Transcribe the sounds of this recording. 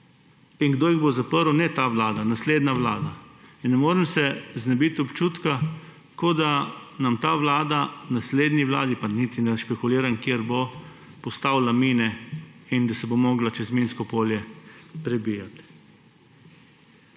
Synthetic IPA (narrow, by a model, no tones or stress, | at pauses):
inɡd̪oːjiɣbozapəɾwnɛt̪aʋlaːd̪anasleːd̪naʋlaːd̪ainnːɛmoːɾɛmsɛznɛbit̪ɔpt͡ʃuːt̪ka | kod̪anamt̪aːʋlaːd̪anasleːd̪niʋla̰ːd̪ipanit̪inɛʃpɛkuliːɾankjeɾbo | pɔst̪awlamiːnɛind̪asɛbomoːɡlat͡ʃɛzminskɔpoːljɛpɾɛbiːjat̪